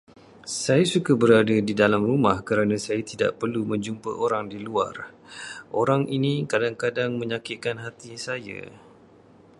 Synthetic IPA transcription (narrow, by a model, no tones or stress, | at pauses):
sajasukabəɾadadidalamrumahkəɾanãsajat̪ida̰ʔpərlumə̃ɲd͡ʒumpə̰ʔoɾaŋdilua̰rʔoɾaŋʔinĩkadaŋkadaŋmə̃ɲakɪkanɦat̪isaja̰